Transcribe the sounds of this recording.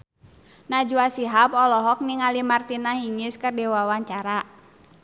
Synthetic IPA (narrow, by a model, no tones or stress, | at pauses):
nad͡ʒuasiɦapɔlɔɦɔk̚niŋalimart̪inaɦiŋɪskərdɛwawaɲt͡ʃaɾa